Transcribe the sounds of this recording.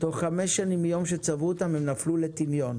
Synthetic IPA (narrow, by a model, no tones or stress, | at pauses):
t̪o̞χːameʃːanimːijomʃet͡savuot̪amhemnaflulet̪imjo̞n